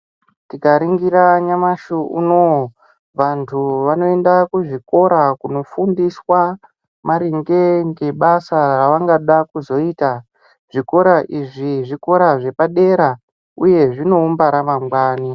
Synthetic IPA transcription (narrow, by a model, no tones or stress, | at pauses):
tikaɾiŋɡiɾaɲamaʃuʔṵno | ʋantʰuʋano̞e̞ndakuʐiko̞ɾakuno̞fundiswa | maɾiŋɡe̞ŋɡe̞ɓasaraʋaŋɡaɗakuzo̞iːta | ʐ̥iko̞ɾaʔiʐiʐiko̞ɾaʐe̞paɗe̞ɾa | uje̞ʐino̞umbaɾamamɡwaːni